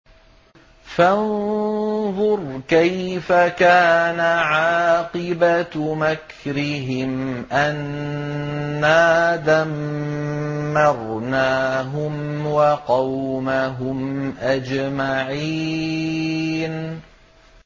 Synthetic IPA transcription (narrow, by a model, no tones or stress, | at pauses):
fan | ðˤʊɾˤkajfakaːnaʕɑːqɨbamak | ɾɪɦɪmʔan | aːðam | ɑɾˤnaːɦʊmwɑqɑwmaɦʊmʔad͡ʒmaʕiː | n